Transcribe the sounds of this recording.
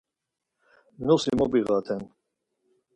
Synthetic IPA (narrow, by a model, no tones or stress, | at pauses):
mnusimɔbiɣat̪ʰɛn